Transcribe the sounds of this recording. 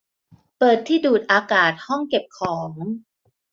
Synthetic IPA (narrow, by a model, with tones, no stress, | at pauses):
pɤː˨˩t̪ʰːiː˥˩duː˨˩t̪̚ʔaː˧kaː˨˩t̪̚hɔ˥˩ŋke˨˩p̚kʰɔː˩˦ŋ